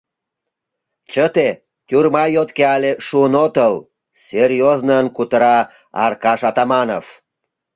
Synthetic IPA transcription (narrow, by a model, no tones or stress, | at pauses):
t͡ɕət̪e | t̪ʲurmɑjot̪keɑlʲeʃuənot̪əl | sʲerʲjoznənkut̪əɾɑ | ɑ̰rkɑʃɑt̪ɑmɑnof